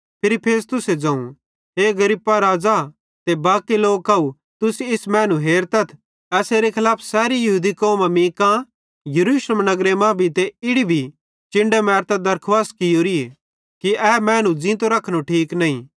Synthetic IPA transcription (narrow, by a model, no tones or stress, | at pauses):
pʰɪɾipʰeːst̪ʊsed͡ʒɐ̃ːũ | ɦeːɡɐɾipːaɾaːd͡za | t̪ebaːkiloːɡkɐu | t̪ʊsɪsmɛ̃ːnũɦeːɾt̪ɐt̪ʰ | ɛːseɾekʰɪlaːpʰsɛːɾijɐɦuːd̪ikoːmãmĩːkã | jɐɾuːsləmnɐɡɾemãbʱit̪eɪɽibʱi | t͡ʃɪ̃ɳɖemɛːɾt̪ad̪ɐɾkʰʋaːskɪjoːɾie | kiɛmɛ̃ːnũd͡zɪ̃ːt̪oɾɐkʰnoʈʰiːknɐːĩ